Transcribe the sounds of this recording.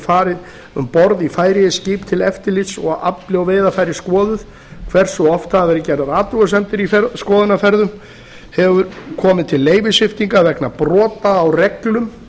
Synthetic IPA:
faːɾɪð | ʏ̰mpɔɾðifaːjɾɪjɪsciːpt̪ʰɪlɛft̪ɪɾlɪt̪sɔ̰a̰pljwveːjðafaːjɾɪskɔːðʏð | kʰv̥ɛr̥sɔɔft̪aðvɛɾɪcɛɾðaðaːt̪uɣasɛmt̪ɪɾifɛskɔːðʏnafɛɾðʏm | hɛvʏɾkʰɔːmɪðt̪ʰɪlːeːjvɪsɪft̪iŋkavɛknapɾɔːt̪aːwrɛklʏm

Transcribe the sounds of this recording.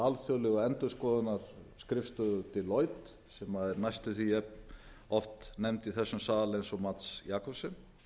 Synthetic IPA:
alθjɔlɛɣaɛnt̪ʏskɔːðʏnːaɾ̥skɾɪfst̪ʏðʏt̪ʰɪlːoːjt̪ | sɛmaðɛɾnajst̪ʏθiɛpn | ɔft̪nɛmt̪iθɛsːʏmsaːðalɛnsɔmat̪sjaːkʰɔpsɪm

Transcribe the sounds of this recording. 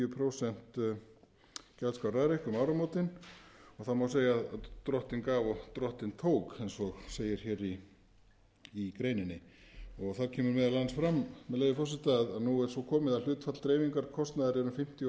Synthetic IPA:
ʏpʰɾowsɛn̥t̪ | cɛlskawɾaðɾejhkʏmawɾamowt̪ɪnɔɣθaðmawseːjaːðat̪ɾɔht̪ɪnkaːvɔt̪ɾɔht̪ɪnt̪ʰoːwkejnsɔɣseːjɪɾ̥çɛːɾi | kɾeːjnɪnːɪɔɣθaɾcʰɛːmʏɾmɛːðalansfɾammɛðleːjɪfɔrsɪht̪aðaðnuɛɾ̥sɔkʰɔːmɪðaðl̥ʏːt̪fat̪lt̪ɾeːjviŋkaɾkʰɔst̪naðɪɾɛɾʏmfɪm̥t̪j

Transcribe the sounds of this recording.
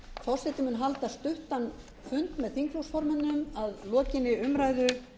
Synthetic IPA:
fɔwsɪt̪ɪmʏnɦalt̪ast̪ʏht̪an | fʏnt̪mɛðθiŋkluwsfɔɾmɛnːʏmaðlɔːcɪnːɪʏmɾajðʏ

